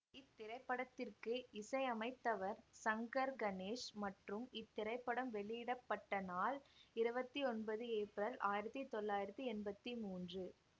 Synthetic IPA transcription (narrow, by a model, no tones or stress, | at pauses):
ɪt̪ːɪɾɐɪpːɐɽɐt̪ːɪrkɯɪsɐɪɐmɐɪt̪ːɐʋɐɾsɐŋɡɐɾɡɐneːʂmɐʈrɯmɪt̪ːɪɾɐɪpːɐɽɐmʋɛɭɪjɪɽɐpːɐʈːɐnaːlɪɾɯbɐt̪ːiɔnbɐðɯeːpɾɐlaːjɪɾɐt̪ːit̪ɔlːaːjɪɾɐt̪ːɯɛnbɐt̪ːimuːndrɯ